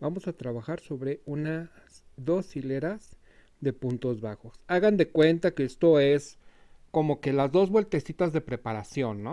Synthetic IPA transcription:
bamo̞sat̪ɾaβaxaɾso̞βɾe̞una | sðo̞sile̞ɾaz | ðe̞punt̪o̞zβaxo̞saɣand̪e̞kwe̞nt̪akeest̪o̞e̞s | ko̞mo̞ke̞lazðo̞zβwe̞lt̪esit̪azðe̞pɾe̞paɾasjo̞nːo

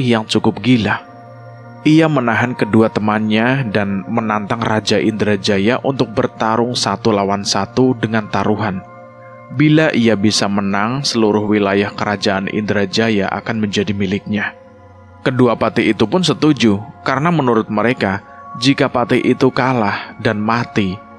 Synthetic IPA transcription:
hjaŋt͡ʃukʊp̚ɡila | iamənaɦankəduat̪əmanɲadanmənant̪aŋrad͡ʒaʔḭnd̪ɾad͡ʒajaʔunt̪ʊk̚bərt̪aɾʊŋsat̪ulawansat̪udəŋant̪aɾuɦan | bilaʔijabisamənaŋsəluɾʊhwilajahkəɾad͡ʒaʔanʔḭnd̪əɾad͡ʒaja̰ʔa̰kanməɲd͡ʒadimilɪk̚ɲa | kəduapat̪iit̪upʊnsət̪ud͡ʒukaɾənamənuɾʊt̪̚məɾeka | d͡ʒikapat̪iʔit̪ukalahdanmat̪i

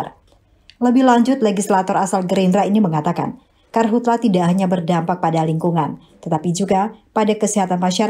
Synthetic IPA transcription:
r | ləbɪhlaɲd͡ʒʊt̪leɡislat̪ɔɾasalɡəɾinɾainiməŋat̪aka̰n | karɦut̪lat̪idaʔhaɲabərdampak̚padaliŋkuŋan | t̪ət̪apid͡ʒuɡapadakəsiɦat̪anmaʃaɾ

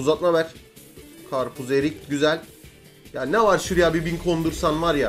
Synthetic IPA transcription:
uzat̪̚mabæɾ̥ | kʰaɾpʰuzeɾic̚ʲɟyzælʲ | jaːnɛvaɾʃuɾijabibinkʰond̪uɾsanvaɾja

